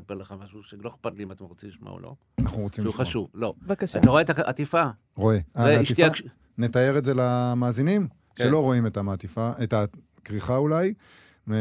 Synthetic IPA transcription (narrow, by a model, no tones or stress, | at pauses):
sapeʁleχamaʃuʃeloχpadliimat̪emʁot͡siliʃma̰o̰lo̰ | anaχnuʁo̞t͡simʃuχaʃuvlo̞vakaʃat̪aʁoetaat̪ifa | ʁo̞e̞aeitʃitia | ne̞t̪aje̞ʁetzelamaːzinim | ʃelo̞ʁo̞imet̪amat̪ifaet̪a | kʁiχaulaj | me